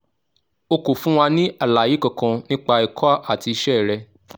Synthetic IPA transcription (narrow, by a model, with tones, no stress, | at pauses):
o˧ko˨fũ˦w̃a˧nĩ˦ʔa˦˨la˨ji˨˦kɔ̃˨kã˧nĩ˦k͡pa˧ɛ˨kʰɔ˦a˦ʔa˦˨ti˧i˧˦ʃɛ˦˨ɾɛ˧